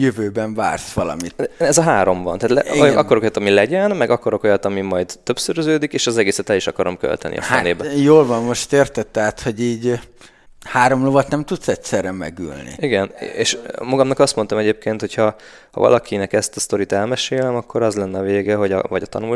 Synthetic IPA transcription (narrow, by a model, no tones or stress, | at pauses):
jøvøːbɛɱva̰ːrsʋɒlɒ̰mit̪ɛzɒɦaːɾo̞mvɒ̰nt̪aːt̪lɛɒkːoɾokojt̪ɒmilɛɟɛnmɛɡɒkoɾo̞ko̞jɒt̪ɒmimɒjd̪øpsøɾøzøːd̪ikeːʃɒzɛɡeːsɛt̪ɛliʃɒkɒɾo̞mkø̰lt̪ɛnʔḭɒ̰fɛneːbɛjoːlvɒmːo̞ʃt̪eːrt̪ɛt̪ːɛɦat̪ho̞ɟiːɟ | haːɾo̞mlovɒt̪nɛmt̪ut̪sɛtsɛɾɛmɛ̰ɡy̰lnḭiɡɛneːʃmɒɡɒmnɒkɒst̪mo̞nt̪omɛɟeːp̚keːnt̪ho̞chɒ | hɒ̰vɒ̰lɒkʰinɛkɛst̪ɒst̪o̞ɾit̪ɛlmɛʃeːlɛmɒkːo̞ɾɒzlɛnːɛɒveːɡɛɦoɟɒ̰vɒɟɒt̪ɒ̰nul